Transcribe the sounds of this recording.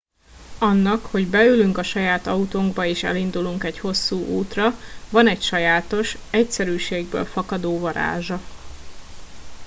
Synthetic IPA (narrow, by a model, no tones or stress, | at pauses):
ɒnːɒkho̞ɟbɛylyŋkɒʃɒjaːt̪ɒut̪oŋɡbɒeːʃɛ̰lind̪uluŋkɛcho̞sːuːʔuːt̪rɒvɒnɛcʃɒjaːt̪o̞ʃɛcsɛɾyːʃeːɡ̚bø̰ːlfɒkɒd̪oːvɒɾa̰ːʒɒ